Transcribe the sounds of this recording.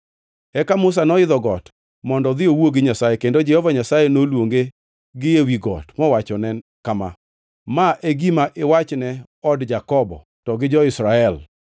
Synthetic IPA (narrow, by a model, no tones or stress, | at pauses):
ɛkamʊs̬anɔɪðɔɡɔt | mɔndɔd̪ɪowoɡɪɲasajekendod͡ʒɛhɔvaɲasajenolwoŋɡe | ɡɪjewiɡɔ̰tmɔwat͡ʃɔnɛnkama̰ | maʔeɡimaʔɪwat͡ʃnɛ | ɔdd͡ʒakɔbɔ̰ | tɔɡɪd͡ʒɔɪsɾaɛl